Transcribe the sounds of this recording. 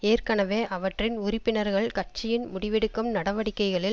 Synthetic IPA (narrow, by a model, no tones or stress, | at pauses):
eːrkɐnɐʋeːʔɐʋɐʈrɪnʊrɪpːɪnɐɾɣɐɭkɐʈ̚t͡ʃɪjɪnmʊɽɪʋɛɽɯkːɯmnɐɽɐʋɐɽɪkːɐɪɣɐɭɪl